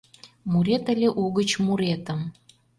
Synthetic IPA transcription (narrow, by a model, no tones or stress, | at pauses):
muɾet̪əlʲeʔuɣət͡ɕmuɾet̪əm